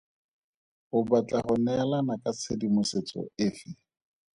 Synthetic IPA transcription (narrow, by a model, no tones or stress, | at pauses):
hʊbat͡ɬʼaχʊnɛlanakʼat͡sʰedimʊset͡sɔ̰ɪfɪ